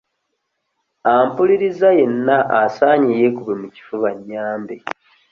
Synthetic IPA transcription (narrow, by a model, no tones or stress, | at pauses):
aːmpuliɾizaje̞nːaʔːsaːɲije̞kuβemuci̥fuβaɲːaːmbe